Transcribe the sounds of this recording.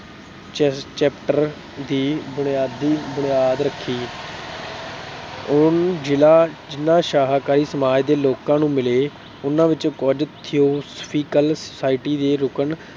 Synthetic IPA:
t͡ʃt͡ʃɛːpʈəɾ | d̪iːbʊnɪjaːd̪ːiːbʊnɪjaːd̪ɾəkʰːiː | ʊnd͡ʒɪlaːd͡ʒɪnːãːʃaːɦaːkaːɾiːsəmaːd͡ʒd̪eːloːkãːnũːmɪleː | ʊnãːʋɪt͡ʃkɔd͡ʒt̪ʰːijoːspʰiːkəlsəsaːɪʈiːd̪eːɾʊkən

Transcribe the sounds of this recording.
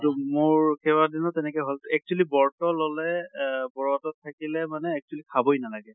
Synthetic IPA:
tumoɹɹkɛβadinɔtɛnɛkɛɦɔltɛk̚t͡ʃualibɔɹtɔlɔlɛbɔɹatɔtʰːakilɛmanɛːk̚t͡ʃualikʰabojnalaɡɛ

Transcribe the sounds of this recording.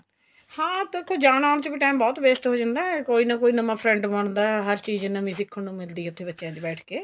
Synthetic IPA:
hãːt̪eːkʰõːd͡ʒaːɽ̃aːʊɳ̃t͡ʃəbiːʈaːmbɔːt̪beːsʈɦoːd͡ʒãːnd̪aːɛkoːiːnãːkoːiːnəmãːpʰɾɛ̃ɳɖməɳd̪aːɦəɾt͡ʃiːd͡ʒnãːmuːzɪkːənũːmɪld̪iːʊt̪ʰːeːbətːʃjãːd͡ʒ̪ibɛːʈʰkeː

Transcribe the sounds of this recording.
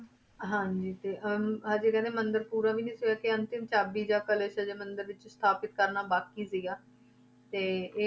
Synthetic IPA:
ɦãɲd͡ʒiːt̪eːʔɦaːd͡ʒeːkɛ̃ːneːmənd̪əɾpuːɾaːʋiːnĩːsʊjaːkɪənt̪ɪmt͡ʃaːbiːd͡ʒãːkəleːʃəd͡ʒeːmənd̪əɾʋɪt͡ʃst̪ʰaːpɪt̪̚kəɾnaːbaːkiːsɪɡaː | t̪eːeː

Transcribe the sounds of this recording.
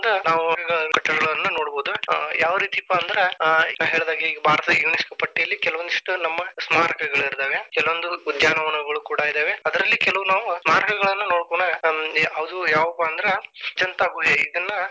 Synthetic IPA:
d̪ɐnaːʋukɐɡɐɭɐkɐʈːɐɽɐɐɭɐnːuno̞ːɽboːd̪ujaːʋɐɾiːt̪iɐpːaːnd̪ɐɾenaːʋɦeːɭd̪aːɡiɡɐbʱaːɾt̪ɐɐjuːniskpɐʈːijɐlːikɛlɐʋond̪uʂʈunɐmːɐsmaːɾɐkɐɡɐɭiɾd̪eːʋe̞kɛlɐʋond̪uːd̪jaːnɐʋɐnɐɡɐɭukuːɽaːid̪eːʋeɐd̪ɐɾɐlːikɛlɐʋunaːʋusmaːɾɐkɐɡɐɭɐnːɐno̞ːɽkuɳɐɦɐʋɐd̪ujaːʋɐpːaːnd̪ɐɾet͡ʃɐnt̪aːɡujeid̪ɐnːɐ

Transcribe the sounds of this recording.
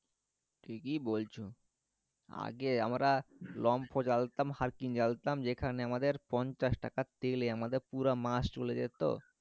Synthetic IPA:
ʈʰikibolt͡ɕʰu | a̰ɡea̰mɾalɔmpʰod͡ʑalt̪amhaɾkind͡ʑalt̪amd͡ʑekʰaneamad̪eɾpɔnt͡ɕaʃʈakat̪ːeleamad̪eɾpuɾamaʃt͡ɕoled͡ʑḛt̪o̰

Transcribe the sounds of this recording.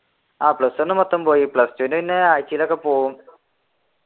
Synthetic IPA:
aːplɐsonːɨmɔt̪ːɐmpoːjiplɐstunɐinːeaːjt͡ɕːijlɐkːepoːɣum

